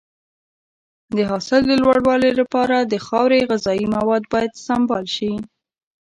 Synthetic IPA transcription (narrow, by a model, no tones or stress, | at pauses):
d̪əɦɑsɪld̪əlwaɽwɑlelapɑɾad̪əxɑwɾeɣɪzɑimawɑd̪̚bɑjad̪sambɑlʃi